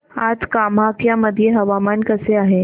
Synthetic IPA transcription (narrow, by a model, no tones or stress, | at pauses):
aːd͡ʒkaːmaːkjamɐd̪ʱjeɦɐʋaːmaːnkɐseaːɦeː